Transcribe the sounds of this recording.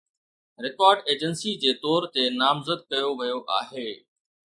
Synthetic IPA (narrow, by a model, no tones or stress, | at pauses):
ɾɪkɔːɾɖeːd͡ʑənsid͡ʑeːt̪ɔːɾt̪enaːmzəd̪̚kɐjoʋɐjoʔa̰ːɦeː